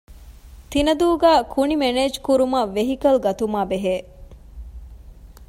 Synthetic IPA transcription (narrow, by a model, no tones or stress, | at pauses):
t̪inɐd̪uːɡæːkʰunimeneːd͡ʒkuɾumɐʋeɦikɐlɡɐt̪umaːbeɦeː